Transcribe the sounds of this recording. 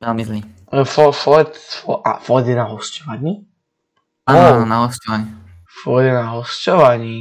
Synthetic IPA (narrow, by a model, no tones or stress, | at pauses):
vɛlmizli | fɔfɔt̪fɔʔa̰fɔd̪ɛnaɦɔscɔʋaɲiː | aːnaɦɔscɔʋaɲi | fɔd̪ɛnaɦɔscɔʋaɲi